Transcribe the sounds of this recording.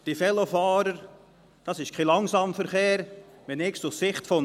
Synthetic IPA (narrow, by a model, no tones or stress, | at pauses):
d̥ifɛlofɑːɾəɾ | d̥ɑsɪʃkʰelɑŋsɑːmfəɾχeːɾ | ʋɛnɪksʊssɪχtfɔ